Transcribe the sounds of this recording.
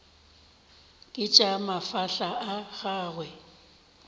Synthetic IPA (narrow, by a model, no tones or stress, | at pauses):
kʼɪt͡ʃʼamafaɬaʔaɣaːɣwɛ